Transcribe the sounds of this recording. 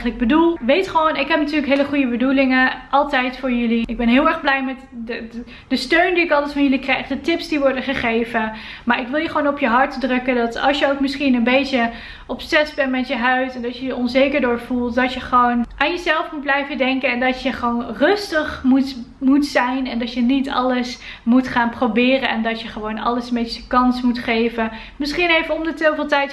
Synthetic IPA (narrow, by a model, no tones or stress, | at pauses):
ələɡ̚bədulˠʋejtχəʋownɪkɦɛp̚natyːɹləkɦejləχujəbədulɪŋəʔɑlˠtɛjtfʊːɹjɵliɪɡ̚bɛnɦɪːlˠɛɹχblɛjmɛt | dəstøɥndiɪkɑlˠtɛtfɑnjɵlikrɛjχdətɪpsdiʋɔɹdəχəχejvəmaːɹɪkʋɪlˠjəχəʋownɔpjəɦɑɹtdrɵkədɑtɑ̰lˠsjəowkmɪsχinənbejtə | ʔɔpsɛsbɛntmɛtjəɦœɥtɛndɑtjəjəʔɔnzejkəɹdʊːɹv̥ulˠtdɑtjəχəʋownʔaːnjəzɛlˠfmut̚blɛjvədɛŋkənɛndɑtjəχʋownrɵstəχmutmutsɛjnɛndɑtjənitɑ̰ləs | mutχaːnprowbɪːrənɛ̰ndɑtjəχəʋownɑ̰ləsənbet͡ʃəəkɑnsmutχejvə | mɪsχinejvəɔmdətovɪːlˠtɛjt